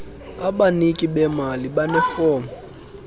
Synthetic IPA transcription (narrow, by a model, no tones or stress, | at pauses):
abanikʼibɛmalibanɛfɔːmɔ